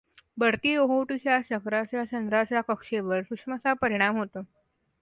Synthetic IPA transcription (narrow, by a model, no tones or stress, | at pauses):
bəɽt̪iːoɦoʈiɕjaɕəkɾat͡ɕjat͡ɕənd̪ɾat͡ɕjakəkʂeʋəɾsukʂmat͡sapəɾiɽ̃amɦot̪o